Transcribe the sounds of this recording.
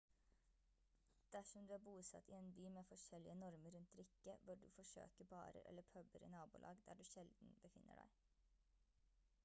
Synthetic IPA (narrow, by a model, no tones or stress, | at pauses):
d̪̥æʂɔmd̪ʉːæːbuːsɑ̰t̪ʰiːeːnbyːmeːfɔʂɛlɪənɔɾməɾʉnt̪ɾɪkəʋʊɖʉ̰ːfɔʂø̰ːkəbɑ̰ːɾə̰ɾʔɛ̰ləpʰœbəɾḭnɑːbʊ̰ːlʔɑ̰ːɡd̪æ̰ːɖʉːʃɛld̪n̩bəfɪnʔə̰ɖæ̰ɪ